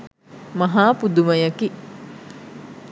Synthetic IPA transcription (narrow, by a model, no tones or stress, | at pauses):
mɐɦaːpud̪uməjəki